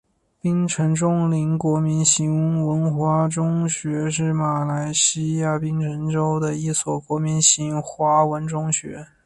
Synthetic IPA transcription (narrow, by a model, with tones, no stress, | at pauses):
pi˥ŋʈ͡ʂʰə˧˥nʈ͡ʂʊ˥ŋli˧˥ŋkwɔ˧˥mi˧˥nɕi˧˥ŋ˧wə˧˥nxwa˥ʈ͡ʂʊ˥ŋɕɥɛ˧˥ʂ̬ɻ̩˥˩ma˨˩la˧˥ɪɕi˥ja˥˩pi˥ŋʈ͡ʂʰə˧˥nʈ͡ʂo˥ʊd̪ə˨i˥˩swɔ˨˩kwɔ˧˥mi˧˥nɕi˧˥ŋxwa˧˥wə˧˥nʈ͡ʂʊ˥ŋɕɥɛ̰˧˥